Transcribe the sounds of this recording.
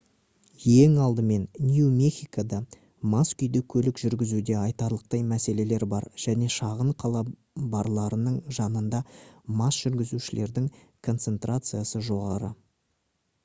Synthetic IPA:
jeŋɑlˠd̪əme̞nnʲjumexʲijkad̪ɑ | maskʲʏjd̪ɪkʲʰɵlɪkʒʏɾɡʲɪzud̪e̞ɑjt̪ɑɾlˠəq̚t̪ɑjmæse̞le̞le̞ɾbɑɾʒ̥æne̞ʃɑʁəɴqʰɑlˠɑ | bɑɾlˠɑɾənəɴʒɑnənd̪ɑmɑsʒ̥ʏɾɡʲɪzuʃɪle̞ɾd̪ɪŋ | kʰo̞nt̪se̞nt̪rʔat̪sɨjasəʒo̞ʁɑɾə

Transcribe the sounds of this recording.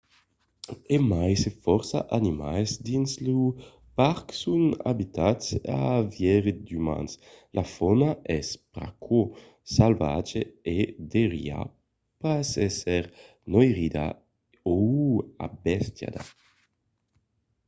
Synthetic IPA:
emajsefɔɾsa̰ʔanimajzd̪inslu | paɾksuna̰bit̪atsa̰vjɛɾed̪yma̰ns | lʔafɔnaʔɛspɾa̰kʰo | salvat͡ʃeed̪eʁj̰a̰ | pasɛsɛɾ | nojʁid̪a̰ | oa̰bɛst̪ja̰d̪a

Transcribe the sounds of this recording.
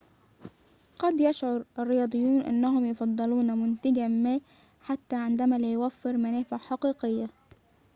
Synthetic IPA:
qɑd̪jaʃʕʊɾˤʔarːɪjɑːd̪ˤɨjːuːnʔa̰nːaɦʊmjʊfɑd̪ˤːɑluːnmʊnt̪ɪɡamaː | ħat̪ːaːʕɪnd̪æmaːlajwafːɪɾmanæːfaħɑqiːqɪjːa

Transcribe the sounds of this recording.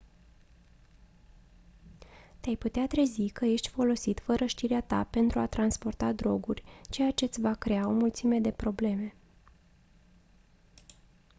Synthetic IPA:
t̪eajput̪eat̪ɾe̞zikəje̞ʃt̪ʲfo̞lo̞sit̪fəɾəʃt̪iɾeat̪a̰pe̞nt̪ɾuat̪ɾanspo̞rt̪ad̪ɾo̞ɡurʲt͡ʃe̞jat͡ʃe̞t̪sʲvakɾe̞ao̞mult̪sime̞d̪e̞pɾo̞ble̞me̞

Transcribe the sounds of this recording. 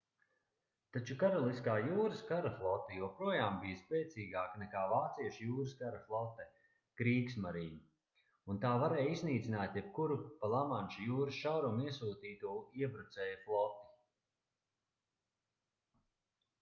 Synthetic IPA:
t̪at͡ʃukaɾɔlˠiskaːjuːɾɨskaɾaflˠɔt̪ːijuɔpɾuɔjaːmbijspʲɛːt̪siːɡaːknɛkaːvaːt̪siɛʃjuːɾɨskaɾaflˠɔt̪ɛ | kɾiːksmaɾiːnu | unt̪aːvaɾɛːjizniːt̪sinaːt̪jɛp̚kuɾupalˠamanʲʃujuːɾɨsʃawɾumiɛsuːt̪iːt̪uɔiɛbɾut̪sɛːjflˠɔt̪i̥

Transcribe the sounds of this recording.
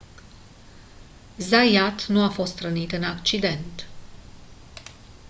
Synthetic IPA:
zajat̪nuafo̞st̪ɾənit̪ɨnakt͡ʃid̪e̞nt̪

